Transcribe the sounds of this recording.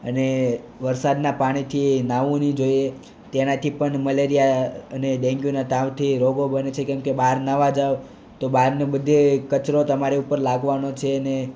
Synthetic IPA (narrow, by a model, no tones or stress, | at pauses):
ə̰ne | ʋəɾsad̪napaɽ̃it̪ʰinaʋũnid͡ʒoie | t̪enat̪ʰipəɳməleɾijaəneɗɛ̃ŋɡjunaʈ̪ãʋt̪ʰiɾoɡobənet͡ʃʰekɛ̃mkebaɾnaʋad͡ʒaʋ | t̪obaɾnebəd̪ʱekət͡ʃɾot̪əmaɾeupəɾlaɡʋanot͡ʃʰeəne